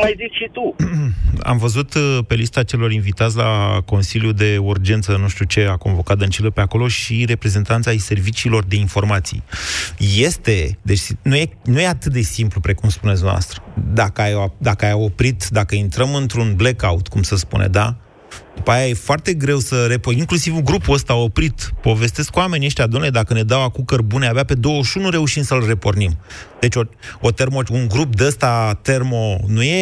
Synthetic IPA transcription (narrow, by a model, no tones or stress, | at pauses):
majzikʃit̪u | a̰mvəzut̪pe̞list̪at͡ʃe̞lo̞ɾinvit̪at̪sʲlako̞nsiljud̪e̞urd͡ʒe̞nt̪sənuʃt̪ut͡ʃe̞ako̞nvo̞kat̪̚d̪ənt͡ʃiləpe̞ako̞lo̞ʃiɾe̞pɾe̞ze̞nt̪ant̪sʲajse̞rvit͡ʃiːlo̞rd̪e̞info̞rmat̪sḭjje̞st̪e̞d̪e̞t͡ʃʲnuje̞nuje̞at̪ɨt̪̚d̪e̞simplupɾe̞kumspunet̪sd̪mna̰st̪ɾə̥d̪akəajad̪akəajo̞pɾit̪d̪akəint̪ɾəmɨnt̪ɾunblekaut̪kumsəspṵnḛd̪a | d̪̥upajaje̞foart̪e̞ɡɾe̞wsəre̞poiŋklusivuŋɡɾupuəst̪ao̞pɾit̪po̞ve̞st̪eskuame̞nʲieʃt̪jad̪umneled̪akəne̞d̪awakukərbuneabape̞d̪o̞wəʃunuɾe̞uʃimsəlre̞po̞rnimd̪̥e̞t͡ʃʲoot̪e̞rmouŋɡɾup̚d̪eəst̪at̪e̞rmo̞nuje̞